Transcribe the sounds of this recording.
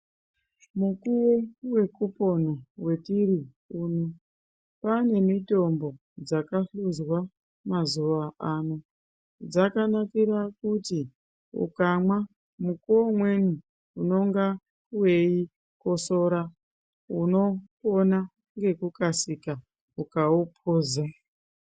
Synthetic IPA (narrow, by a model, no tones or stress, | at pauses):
mukuwowe̞kupo̞nowe̞tiri | uno | pane̞mito̞mbo̞ | d͡zakaɬuzwa | mazuʋaano | d͡zakanakiɾakuti | ṵkamwa | mukomwe̞nu | uno̞ŋɡa | we̞i | ko̞so̞ɾa | uno̞ | ona | ŋɡe̞kukasika | ukaupʰoːza